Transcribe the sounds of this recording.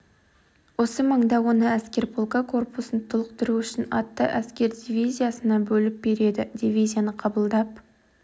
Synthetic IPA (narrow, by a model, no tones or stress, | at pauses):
wo̞səməɴd̪ɑwo̞nəæskʲe̞ɾpʰolˠkakʰo̞rpʊsənt̪ʰʊlˠəqt̪əɾuʏʃɪnɑ̰t̪ːə̰ʔæskʲe̞ɾd̪ʲivʲijzʲijasənɑbɵlɪp̚be̞ɾe̞d̪ɪd̪ʲivʲijzʲijanəqʰɑbəlˠd̪ɑp